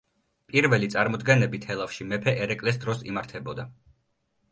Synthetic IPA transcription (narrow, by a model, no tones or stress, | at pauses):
pʼiɾvɛlit̪sʼaɾmɔd̪ɡɛnɛbit̪ʰhɛlˠafʃimɛpʰɛʔɛɾɛkʼlɛs̬d̪ɾɔsḭmaɾt̪ʰɛbɔd̪a